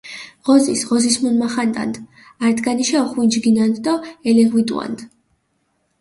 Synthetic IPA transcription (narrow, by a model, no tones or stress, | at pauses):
ʁ̥ɔzisʁɔzismunmaχant̪ʼa̰nd̪ | aɾd̪ɡaniʃaɔχwind͡ʒɡinand̪d̪ɔɛlɛʁwit̪ʼwa̰nd̪